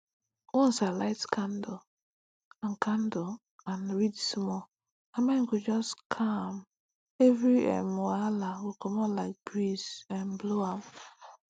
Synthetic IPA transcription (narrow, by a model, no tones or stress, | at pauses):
wɔn̩salaɪtkan̩do | an̩kan̩do | anɾidsmɔ | amɛŋkud͡ʒɔstkʰam | evɾiɛ̰moalawikɔmɔlaɪk̚bɾizãnbloam